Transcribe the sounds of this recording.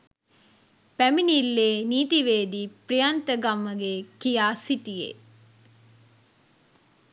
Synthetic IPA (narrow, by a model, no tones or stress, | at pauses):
pæminilːeːniːt̪iʋeːd̪iːprijant̪əɡɐmːəɡekijaːsiʈijḛ